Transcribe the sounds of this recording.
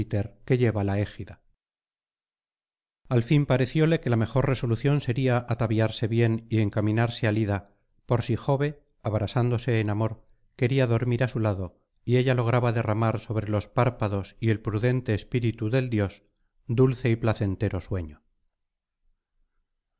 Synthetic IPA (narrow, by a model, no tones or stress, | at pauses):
it̪e̞ɾke̞ʎe̞βalaexiða | alfimpaɾe̞θjo̞le̞ke̞lame̞xo̞rre̞so̞luθjo̞nse̞ɾiaʔat̪aβjaɾse̞βje̞nie̞ŋkamĩnaɾsealiða | po̞ɾsixo̞βe̞ | aβɾasand̪o̞se̞ːnamo̞ɾ | ke̞ɾiaðo̞ɾmiɾasulaðo̞ | ie̞ʎalo̞ɣ̞ɾaβaðe̞ramaɾso̞βɾe̞lo̞spaɾpaðo̞sie̞lpɾuðe̞nt̪e̞ːspiɾit̪uðe̞ld̪jo̞s | d̪ulθe̞iplaθe̞nt̪e̞ɾo̞swe̞ɲo